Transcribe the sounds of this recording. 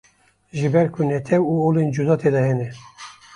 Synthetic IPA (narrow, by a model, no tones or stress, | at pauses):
ʒɨbɛɾkʰunɛt̪ʰɛwuoːlend͡ʒud̪ɑːt̪ʰed̪ɑhɛnɛ